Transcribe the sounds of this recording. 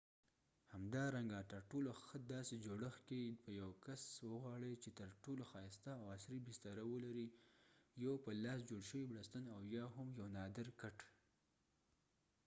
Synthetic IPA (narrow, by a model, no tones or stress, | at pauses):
hamd̪ɑɾaŋɡat̪əɾʈoloxəd̪ɑsed͡ʒoɽəxkepəjawkaswəɣwɑɽəjt͡ʃet̪əɾʈoloxɑjst̪aːwasɾibist̪aɾawəlaɾi | jowpəlɑsd͡ʒoɽʃəwibɽast̪ənawjɑɦʊmjawnɑd̪ɪɾkaʈ